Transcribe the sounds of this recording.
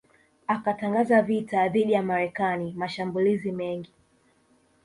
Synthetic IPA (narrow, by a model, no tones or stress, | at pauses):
akataŋɡazavitaðiɗijamaɾɛkanimaʃambulizimɛŋɡi